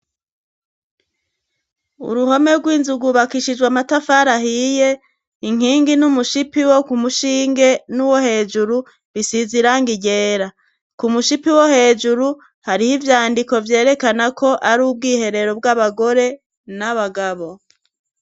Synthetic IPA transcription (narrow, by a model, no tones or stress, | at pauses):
ṵɾuɦo̞me̞ɾɡwiːnzuɡuβakiʃid͡ʒɡwamatafaɾaɦije̞ | iŋ̥iːŋɡinumuʃipiwo̞kumuʃiːŋɡe̞nuwo̞he̞ːd͡ʒuɾu | βisiziɾaŋɡiɟeːɾa | kumuʃipiwohe̞ːd͡ʒuɾu | haɾihivjaːndiko̞vje̞ːɾe̞kanakʰo̞ʔaɾuːb̚ɡiːhe̞ɾe̞ɾo̞b̚ɡaβaɡo̞ɾe̞ | naβaɡaβo̞